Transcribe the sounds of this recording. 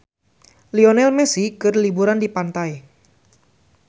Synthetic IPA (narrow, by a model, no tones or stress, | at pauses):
lionɛlmɛsikɨrlibuɾandipant̪aj